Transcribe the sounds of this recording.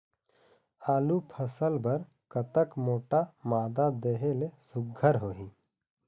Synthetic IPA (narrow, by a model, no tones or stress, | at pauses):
aːlupʰəsəlbɐɾ | kət̪əkmoːʈamaːd̪ad̪eːɦelesʊɡʱːəɾɦoːĩː